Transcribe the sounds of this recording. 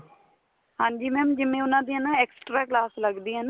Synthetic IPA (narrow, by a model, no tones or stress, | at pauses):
hãːɲd͡ʒiːmɛ̃ːmd͡ʒɪmẽːʊnãːd̪iːɛnãːɛːksʈɾaːklaːsləɡd̪iːɦɛːnaː